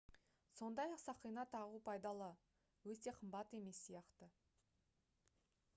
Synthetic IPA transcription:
so̞nd̪ɑjɑqsɑqijnɑt̪ʰɑʁupʰɑjd̪ɑlˠə | wɵt̪e̞qʰəmbɑt̪e̞me̞sːijɑqt̪ə

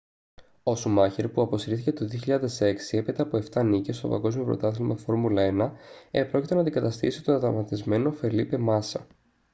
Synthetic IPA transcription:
osumɐçeɾpuɐpo̞siɾiθice̞t̪o̞ðioçiʎɐðe̞se̞ksiepit̪ɐːpo̞e̞ft̪ɐnice̞st̪o̞̰pɐ̰ŋɡo̞zmio̞pɾo̰t̪ɐθilmɐ̰fo̞ɾmulɐenɐepɾocit̪e̞nɐnd̪iɡɐt̪ɐst̪isit̪onɐt̪ɐmɐt̪izme̞no̞fe̞ɾlipe̞mɐsɐ

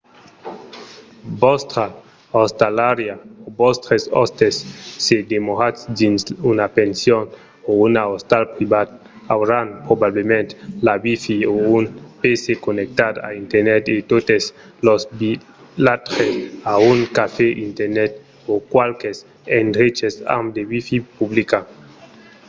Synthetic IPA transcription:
bɔst̪ɾa | ost̪alaɾjaobɔst̪ɾeso̰st̪esːed̪emoɾatsdinsunapensjon | ounaost̪alpɾibat̪ | awɾanpɾobablemẽnt̪labifiounpesekonek̚t̪ad̪a̰int̪eɾnɛt̪et̪ot̪es | losbi | lat̪ɾesauŋkafeʔint̪eɾnɛt̪ | okwalkes | endɾet͡ʃesa̰md̪eβifipublika

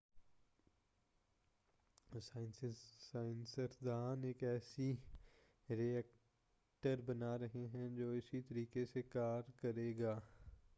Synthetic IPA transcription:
saːɪnsaːɪnsəɾd̪aːneːkɛːsi | ɾiɛk | ʈəɾbɐnaːɾɐɦeɦɛ̃d͡ʒoːɪsit̪ɐɾiːkesekaːɾkɐɾeːɡaː

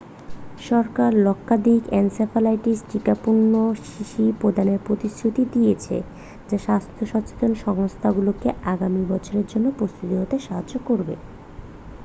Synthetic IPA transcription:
ʃɔɾkaɾlɔkʰːad̪ikɛnsefalajʈisʈikapuɳnːoʃiʃipɾod̪ʱaneɾpɾot̪isɾut̪id̪ijet͡ɕʰḛ | d͡ʑaʃast̪ʰoʃɔt͡ɕe̥t̪onʃɔŋost̪ʰaɡulokeaɡamibɔt͡ɕʰoɾeɾd͡ʑonːopɾost̪ut̪iɦot̪eʃaɦad͡ʑokoɾbḛ

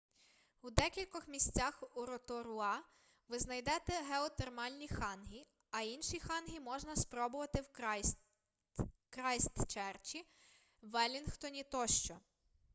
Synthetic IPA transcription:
ud̪ɛkʲilʲkɔxmʲisʲt͡sʲaxuɾɔt̪ɔɾʊɑ | ʋɪznɐjd̪ɛt̪ɛɦeɔt̪ermɑlʲnʲixɑnɦi | ɐinʃixɑnɦʲimɔʒnɐspɾɔbʊʋɐt̪ɪw | kɾɑjst̪t͡ʃɛrt͡ʃi | ʋɛlʲinxt̪ɔnʲit̪ɔʃt͡ʃɔ

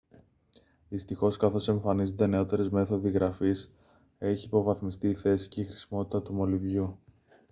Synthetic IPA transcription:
ðist̪ixo̞skɐθo̞se̞ɱfɐnizond̪e̞ne̞o̞t̪e̞ɾezme̞θo̞ðiɣɾɐfis | e̞çiːpo̞vɐθmist̪iːθe̞si̥cixɾisimo̞t̪i̥t̪ɐt̪umo̞livʝu

